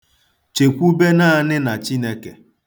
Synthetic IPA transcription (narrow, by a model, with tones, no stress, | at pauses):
t͡ʃe˨kʷu˦be˦na˦nɪ˦na˨t͡ʃi˦ne˦ke˨